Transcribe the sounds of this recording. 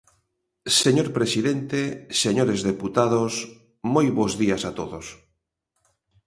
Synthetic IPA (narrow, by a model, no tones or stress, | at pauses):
seɲoɾpɾesiðent̪eseɲoɾezðeput̪aðos | mojβozðiasat̪oðos